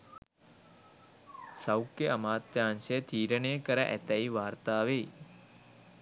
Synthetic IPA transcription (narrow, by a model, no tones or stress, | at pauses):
sɐwkeəmaːt̪jaːnʃet̪ʰiːɾəneːkəɾɐʔɛ̰t̪ɐiʋaːɾt̪aːʋei